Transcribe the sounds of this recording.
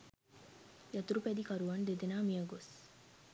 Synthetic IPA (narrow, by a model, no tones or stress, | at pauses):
jɐt̪uɾupæd̪ikɐɾuʋɐnd̪ed̪enaːmijəɡos